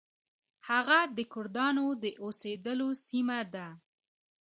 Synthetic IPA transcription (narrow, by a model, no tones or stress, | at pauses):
haɣad̪əkʊɾd̪ɑnod̪əʔosed̪əlosimad̪a